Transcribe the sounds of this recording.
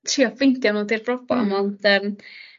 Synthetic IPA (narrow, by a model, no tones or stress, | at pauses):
tʰiɔpvejntjɔnɔːdirbrɔb̥ɔ̰mɔnd̥əːm